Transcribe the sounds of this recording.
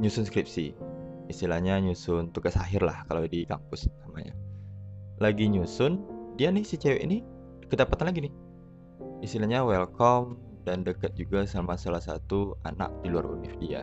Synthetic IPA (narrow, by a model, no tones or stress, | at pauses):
ɲusʊnskɾip̚siist̪ilahɲaɲusʊnt̪uɡasaɦɪrlahkaladikampʊssamaɲa̰ | laɡiɲusʊndianɪhsit͡ʃewḛʔini | kədapat̪anlaɡinɪh | ist̪ilahɲawɛlkɔm | dandəkat̪̚d͡ʒuɡasamasalahsat̪ua̰na̰k̚dilua̰ɾṵnɪ̰fdia̰